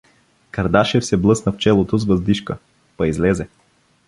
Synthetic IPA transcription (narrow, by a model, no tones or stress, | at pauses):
kɐɾd̪aʃɛfsɛblˠɤsnəft͡ʃɛlˠot̪ozvɐzd̪iʃkə | pɐizlɛzɛ